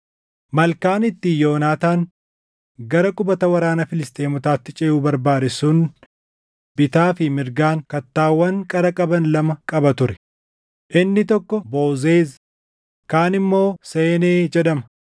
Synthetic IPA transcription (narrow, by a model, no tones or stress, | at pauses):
mɐlkaːnɪt̪ːɪjo̞ːnaːt̪aːŋ | ɡɐɾɐkʼʊbɐt̪ɐwɐɾaːnɐfɪlɪst̪e̞ːmʊt̪aːt̪ːɪt͡ʃʼɛjuːbɐɾbaːd̪ɪsuːn | bɪt̪aːfɪmɪɾɡaːŋkɐt̪ːaːwːɐŋkʼɐɾɐkʼɐbɐnlɐmɐkʼɐbɐt̪ʊɾɛ̥ | ʔɪnːɪt̪ɔkːɔbo̞ːzeːz | kaːnɪmːo̞ːseːneːd͡ʒɛɗɐmɐ̥